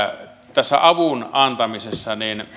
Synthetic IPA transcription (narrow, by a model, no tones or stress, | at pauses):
t̪æsːæ̰ɑʋunɑnt̪ɑmisesːɑnin